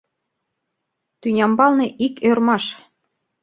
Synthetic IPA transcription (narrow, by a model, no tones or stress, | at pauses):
t̪ynʲɑmbɑlnɤʔikørmɑʃ